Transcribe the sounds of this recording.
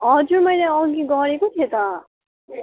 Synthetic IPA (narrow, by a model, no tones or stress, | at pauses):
ɦʌd͡zurmʌjlajʌɡiɡʌɾekot̪ʰijet̪ʌ